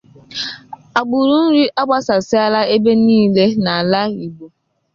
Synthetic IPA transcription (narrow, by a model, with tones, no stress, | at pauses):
a˨ɡ͡bu˨ɾu˦n̩˦ɾi˦ʔa˦ɡ͡ba˦sa˨sɪ˦a˦la˦e˦be˦niː˦le˦na˨a˨la˦i˨ɡ͡bo˨